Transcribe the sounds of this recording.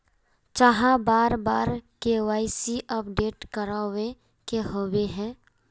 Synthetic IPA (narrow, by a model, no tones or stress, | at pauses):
t͡ʃaɦãbaːɾbaːɾkewaːɪsiʔəp̚ɖeːʈkəɾaːe | keɦoweɦɛ̃ː